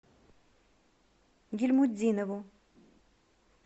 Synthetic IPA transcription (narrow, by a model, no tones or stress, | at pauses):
ɡʲɪlʲmʊdʲinəvʊ